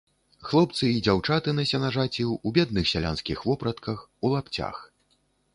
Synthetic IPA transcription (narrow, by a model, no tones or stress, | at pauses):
xlˠɔpt̪sɨid͡zʲawt͡ʂat̪ɨnɐsʲɛnaʐat͡sʲiwubʲɛd̪̚nɨxsʲalʲa̰nskʲixvɔpɾɐt̪kɐxulˠapt͡sʲa̰x